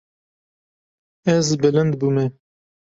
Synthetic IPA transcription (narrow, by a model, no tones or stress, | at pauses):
ɛzbɨlɨnd̪bumɛ